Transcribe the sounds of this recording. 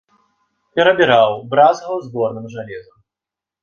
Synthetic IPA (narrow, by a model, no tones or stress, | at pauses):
pʲɛɾɐbʲiɾawbɾazɣɐwzbɔrnɨmʐalʲɛzɐ